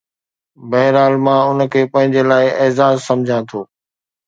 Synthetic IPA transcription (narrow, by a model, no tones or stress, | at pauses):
bɐɦɪɾaːlmãːʊn̆kʰeːpɐ̃ɦɪ̃ɲd͡ʑelaːɪʔeːzaːzsɐ̃md͡ʑʱãt̪ʰoː